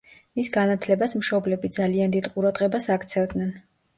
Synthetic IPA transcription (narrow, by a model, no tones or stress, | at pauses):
misɡanat̪ʰlɛbasmʃɔblɛbid̪zaliand̪id̪qʼuɾad̪ʁʼɛbasakʰt̪sʰɛvd̪nɛn